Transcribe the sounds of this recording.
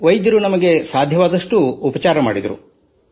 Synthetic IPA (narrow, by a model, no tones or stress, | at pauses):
ʋɐjd̪jɐɾunɐmɐɡe̞saːd̪ʱjɐʋaːd̪ɐʂʈuːpɐt͡ʃaːɾɐma̰ːɽid̪ɐɾṵ